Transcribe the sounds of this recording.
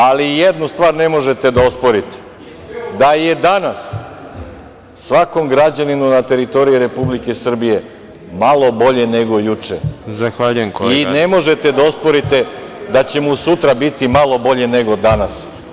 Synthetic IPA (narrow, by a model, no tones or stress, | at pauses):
alijed̪nust̪ʋaːɾne̞mo̞ʒet̪e̞d̪aospo̞ɾit̪e̥ | d̪aje̞d̪anas | sʋako̞mɡɾad͡ʑaninunat̪e̞ɾit̪o̞ɾijiɾe̞publikesr̩bije̞ | malˠo̞bo̞ʎe̞ne̞ɡo̞jut͡ʂḛzaxʋaʎujemkoinemo̞ʒe̞t̪e̞d̪aospo̞ɾit̪e̞d̪at͡ɕe̞musut̪ɾabit̪imalˠo̞bo̞ʎe̞ne̞ɡo̞d̪anas